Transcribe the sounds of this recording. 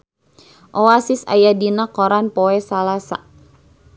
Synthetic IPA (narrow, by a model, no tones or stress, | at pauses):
ʔoasɪsa̰jadinakɔɾanpɔɛsalasa